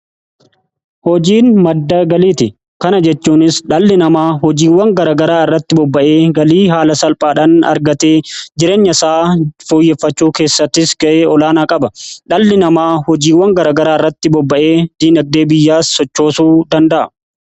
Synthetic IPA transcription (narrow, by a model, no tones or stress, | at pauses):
hɔd͡ʒiːnmɐd̪ːɐɡɐliːt̪ɪ | kɐnɐd͡ʒɛt͡ʃːuːnɪsᶑɐlːɪnɐmaːhɔd͡ʒiːwːɐŋɡɐɾaːɡɐɾaːɪrːɐt̪ːɪbɔbːɐʔe̞ːɡɐliːɦaːlɐsɐlpʼaːᶑaːnɐ̰ɾɡɐt̪eːd͡ʒɪɾe̞ːɲːɐsaːfoːjːɛfːɐt͡ʃːuːke̞ːsːɐt̪ːɪsɡɐʔeːɔlaːnaːkʼɐbɐᶑɐlːɪnɐmaːhɔd͡ʒiːwːɐŋɡɐɾaːɡɐɾaːɪrːɐt̪ːɪbɔbːɐʔe̞ːd̪̥iːnɐɡ̚d̪e̞ːbɪjːaːsːɔt͡ʃːo̞ːsuːd̪ɐnd̪ɐʔɐ̥̰